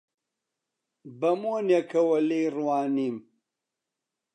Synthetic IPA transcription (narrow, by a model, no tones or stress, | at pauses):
bɐmoːnjɐkʰɐwɐliːrwaːniːm